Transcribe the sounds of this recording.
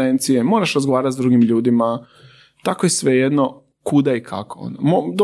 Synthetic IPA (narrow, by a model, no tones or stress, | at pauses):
ent̪sijemo̞ːɾaʃɾazɡoʋaːɾat̪zd̪ɾuɡimʎuːd̪ima | t̪akojesʋe̞jed̪no | kud̪aikʰa̰koo̰nomod̪o